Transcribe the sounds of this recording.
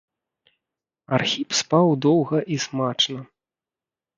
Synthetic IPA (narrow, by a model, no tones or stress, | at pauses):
arxʲipspawd̪ɔwɣɐʔismat͡ʂnɐ